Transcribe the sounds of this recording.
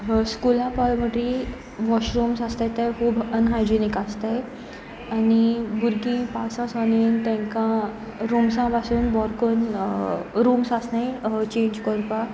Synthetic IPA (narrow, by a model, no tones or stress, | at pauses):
skulãpalməʈːi | ʋɔɕɾumsast̪at̪aɦubənɦajd͡ʑinikast̪aj | anibuɾɡĩpasãsanint̪ɛ̃ŋkã | ɾumsãpasuːnbɔɾkən | ɾumsasnajt͡ɕẽɲd͡ʑkəɾpa